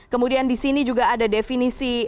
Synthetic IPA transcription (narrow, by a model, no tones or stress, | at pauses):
kəmudiandisinid͡ʒuɡaːdadefinisi